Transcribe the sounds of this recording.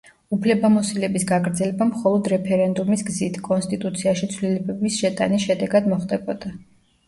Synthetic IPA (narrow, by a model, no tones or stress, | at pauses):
upʰlɛbamɔsilɛbisɡaɡɾd̪zɛlɛbamχɔlˠɔd̪ɾɛpʰɛɾɛnd̪umisɡzit̪ʰkʼɔnst̪ʼit̪ʼut̪sʰiaʃit̪sʰvlilɛbɛbisʃɛt̪ʼa̰nisʃɛd̪ɛɡad̪mɔχd̪ʼɛbɔd̪̥a